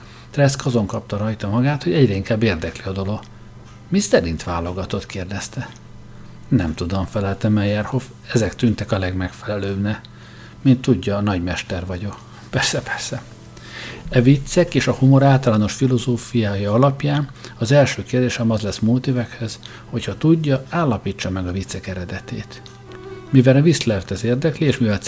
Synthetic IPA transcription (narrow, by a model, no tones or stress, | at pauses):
t̪rɛskɒzo̞ŋkɒp̚t̪ɒɾɒjt̪ɒmɒɡaːt̪ho̞ɟɛɟɾɛiŋkaːbːeːrd̪ɛkliɒd̪o̞lo̞ɡ̥ | misɛɾint̪ʋaːlːo̞ɡɒt̪o̞t̪keːrd̪ɛst̪ɛ | nɛ̰mt̪ud̪o̞ɱfɛlɛlt̪ɛmɛjɛrho̞f | ɛzɛkt̪ynt̪ɛkɒlɛɡmɛkfɛlɛløːbnɛ | mint̪ːuɟːɒnɒɟmɛʃt̪ɛrvɒɟo̞k | pɛrsɛpɛrsɛ | ɛvit̪sːɛkeːʃɒhumo̞ɾaːlt̪ɒlaːno̞ʃfilo̞zoːfijaːjɒɒlɒpjaːnɒzɛlʃøːkeːrd̪eːʃɛmɒzlɛsmuːt̪evɛkhøz̥ | ho̞chɒt̪uɟːɒaːlːɒpiːt͡ʃːɒmɛɡɒvit̪sɛkɛɾɛd̪ɛt̪ḛːt̪ | mivɛlɛvislɛrt̪ɛzeːrd̪ɛklieːʃmivɛl